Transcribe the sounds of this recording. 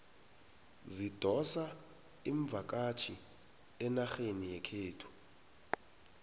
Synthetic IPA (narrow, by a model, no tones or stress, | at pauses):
zid̥ʱɔsa | iɱb̪vʱak̬ʼat͡ʃʰi | ɛnaxenijɛkʰeːtʰu̥